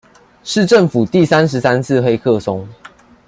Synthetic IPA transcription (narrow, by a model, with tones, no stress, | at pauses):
ʂɻ̩˥˨ʈ͡ʂə˥˨ŋfu˨˩t̪i˥˨sa˦nʂɻ̩˨˦sa˦nt͡s̩ʰ˥˨xe˦ɪkʰɤ˥˨so˦ŋ